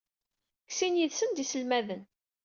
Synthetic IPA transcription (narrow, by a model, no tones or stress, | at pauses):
ksinjiðsənd̪isəlmæðən